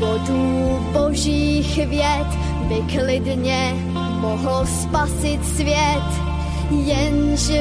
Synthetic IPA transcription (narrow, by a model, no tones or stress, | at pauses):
voduː | bo̞ʒiːxvjɛt̪ | bɪklɪdɲɛ | moɦl̩spasɪt̪svjɛt̪ | jɛnʒɛ